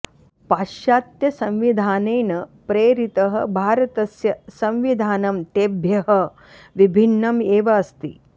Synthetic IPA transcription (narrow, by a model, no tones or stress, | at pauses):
paːʃaːt̪jɐsɐ̃mʋid̪ʱaːneːnɐpɾeːɾit̪ɐɦɐ̰̆bʱaːɾɐt̪ɐsjɐsɐ̃mʋid̪ʱaːnɐmt̪eːbʱjɐɦɐ | ʋibʱinːɐmeːʋaɐst̪ḭ